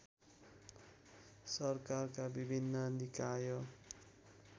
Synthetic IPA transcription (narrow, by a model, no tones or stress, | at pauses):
sʌrkarkabibʱinːʌnikajo